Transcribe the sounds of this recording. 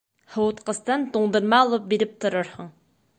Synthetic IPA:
howʊt̪qəst̪ɨnd̪uŋd̪ɨɾmɑolˠup̚beɾɪp̚t̪ʰuɾʊɾhʊŋ

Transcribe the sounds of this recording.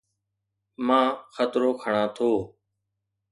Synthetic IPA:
mãːxət̪ɾoːkʰəɳãːt̪ʰoː

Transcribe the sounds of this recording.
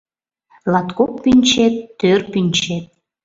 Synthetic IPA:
lɑt̪kok̚pynʲt͡ɕet̪ːørpynʲt͡ɕet̪̚

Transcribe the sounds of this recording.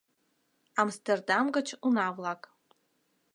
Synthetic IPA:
amstʰerdamɡɐt͡ʃʰunavlˠakʼ

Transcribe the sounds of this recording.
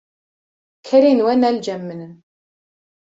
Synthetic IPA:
kʰːæɾinwænæld͡ʒæmːənən

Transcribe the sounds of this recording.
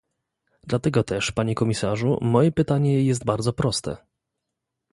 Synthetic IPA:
d̪̥lat̪ɛɡɔt̪ɛʂpaɲɛkɔmʲisaʐṵmɔjɛpɘt̪aɲɛjɛst̪̚baɾd̪zɔpɾɔst̪ɛ̰

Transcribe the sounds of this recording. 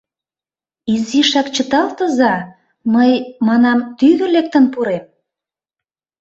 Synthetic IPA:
iziʃɑkt͡ɕət̪ɑlt̪əzɑ | məjmɑnɑmt̪yðə̆lek̚t̪ə̆npuɾem

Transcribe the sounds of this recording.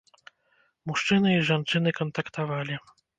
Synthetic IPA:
muʂt͡ʂɘnɨiʐant͡ʂɘnɘkɔnt̪akt̪avalʲi

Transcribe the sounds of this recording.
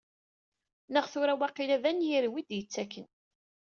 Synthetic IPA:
nəʁθʊɾæwæqilæðænjiɾwid̪jət͡sːækːən

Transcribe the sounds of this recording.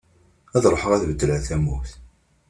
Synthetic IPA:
æðɾˤħəʁæθvəd̪ːələθæmːuθ

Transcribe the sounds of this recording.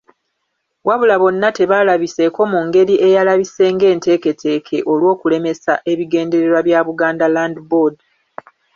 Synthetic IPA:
waβulaβo̞nːate̞βalaβise̞ko̞muŋɡe̞ɾiʔe̞jalaβise̞ːŋɡe̞ːnte̞ːke̞tʰe̞ːkʰe̞ʔo̞lwo̞ːkule̞me̞saʔe̞βiɡe̞ːnde̞ɾe̞ɾwaβjaːβuɡaːndalaːndibod

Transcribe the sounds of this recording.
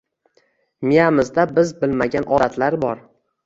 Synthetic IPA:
mijamɪzd̪abɪzbɪlmaɡʲanʔɒd̪at̪laɾbɒɾ

